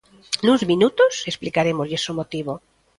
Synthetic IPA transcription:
nuzmĩnut̪osesplikaɾemozʝesomot̪iβo

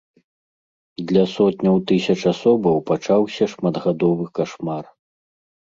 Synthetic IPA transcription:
d̪lʲɐsɔt̪nʲɐwt̪ɨsʲɐt͡ʂasɔbɐwpat͡ʂawsʲɐʂmad̪ɣad̪ɔvɨkaʂmar

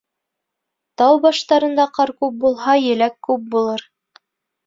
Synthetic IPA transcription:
t̪ɑwbɑʃt̪ɑɾɤ̆nd̪ɑqɑɾkʉp̚bulˠɦɑjɘ̆lækːʉp̚bulˠɤɾ

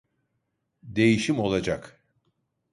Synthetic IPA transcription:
d̪e̞jiʃimo̞lˠad͡ʒak

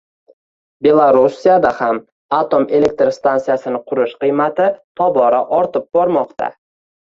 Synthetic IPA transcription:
be̞lˠaɾusːijad̪aham | at̪ome̞le̞k̚t̪ɾst̪ansijasɪnɪqʰʊɾɪʃqɨjmat̪ɪt̪ʰɒbɒɾaʔɒɾt̪ɪp̚bɒɾmɒqt̪ʰa̰

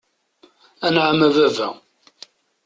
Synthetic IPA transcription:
ænʕəmævævæ̰

